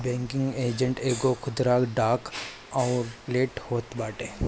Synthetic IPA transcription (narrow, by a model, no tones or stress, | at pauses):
bɛ̃ːŋkɪ̃ŋɡeːd͡ʒə̃ɳʈeːɡokʰʊd̪ɾaːkɖaːk | ɔːɾleːʈhoːt̪baːʈeː